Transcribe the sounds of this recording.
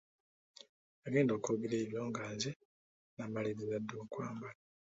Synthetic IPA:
aɡe̞ːndoːkoɡileːβjo̞ːŋɡaːze | naːmaleβiβadːoːkwaːmba

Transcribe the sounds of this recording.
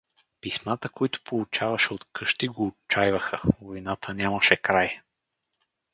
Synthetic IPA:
pismat̪əkoit̪ʊ̥polˠut͡ʃavɐʃɛot̪kɤʃt̪iɡoːt͡ʃajvəxəvojnat̪ʰənʲaməʃɛkɾaj

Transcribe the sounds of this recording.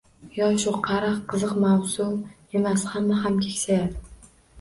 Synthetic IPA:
jɒʃʊqʰɑɾɨqqʰːɨzɨqmawsʊm | emashamːaɦamkʲʰekʲsajad̪ɪ

